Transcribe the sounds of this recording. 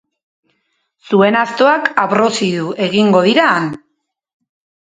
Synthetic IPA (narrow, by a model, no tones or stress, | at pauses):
sue̞nast̪o̞akaβɾo̞siðuʔe̞ɣiŋɡo̞ðiɾan